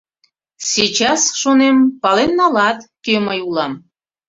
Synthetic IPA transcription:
sʲit͡ɕɑsʃonempɑlenːɑlɑt̪keməjulɑm

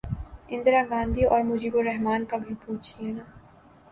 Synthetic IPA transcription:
ɪ̃nd̪ɾaɡãːnd̪ʱiɔ̰ːɾmʊd͡ʒiːboɾɛɦmaːnkabʱipuːt͡ʃʰienaː

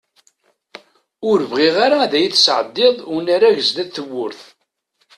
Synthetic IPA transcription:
ʊɾəvʁiʁaɾaæðæjiθsʕəd̪ːɪðˤnaɾæʝəzd̪æθəwːʊɾθ

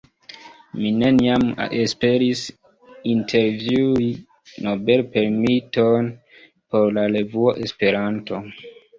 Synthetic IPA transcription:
mine̞niamespe̞ɾis | intʰe̞ɾvjui | no̞be̞lpe̞ɾmiton | po̞ɾlaɾe̞vuoʔe̞spe̞ɾanto̞

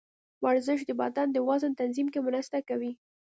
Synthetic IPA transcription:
waɾzəʃ̬d̪əbɑt̪ɑnd̪əwɑzənt̪anzimkemʊnɑsɪ̥t̪akawi

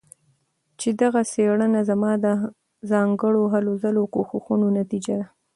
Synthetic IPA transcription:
t͡ʃed̪aɣaseɽənazamɑd̪ə | zɑŋɡəɽoɦalozalokoxuxunonat̪id͡ʒad̪a

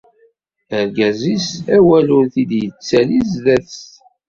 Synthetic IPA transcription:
əɾɡæzisæwælʊnθid̪jət͡sːælizðæθ

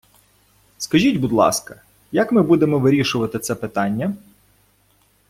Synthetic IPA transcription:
skɐʒʲitʲbud̪lˠɑ̰skɐ | jakmɪbud̪emɔʋɪɾʲiʃʊʋɐt̪ɪt̪sɛpɪt̪ɑnʲːɐ

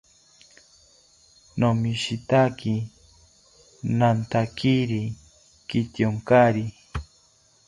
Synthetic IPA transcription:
nomiʃit̪aki | nant̪akiɾi | kit̪joŋkaɾi

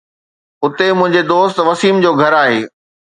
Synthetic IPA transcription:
ʊt̪emʊ̃ɦɪ̃ɲd͡ʑed̪oːst̪ʋɐsiːmd͡ʑoːɡʱɐɾaːɦeː

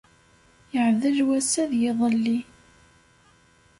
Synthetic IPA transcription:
jəʕðəlwæsæðjɪðˤəlːi

